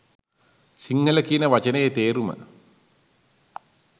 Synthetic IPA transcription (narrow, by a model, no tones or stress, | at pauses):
siŋhələkiənəʋat͡ʃənəjet̪eːɾumə̰